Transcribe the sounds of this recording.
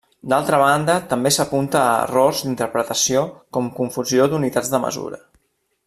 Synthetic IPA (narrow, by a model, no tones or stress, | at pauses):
d̪alˠt̪ɾəβ̞and̪ət̪əmbesəpunt̪əə̰rɔrzd̪int̪əɾpɾət̪əsiokɔmkuɱfuziod̪unit̪ad͡zd̪əmə̰zṵɾə̰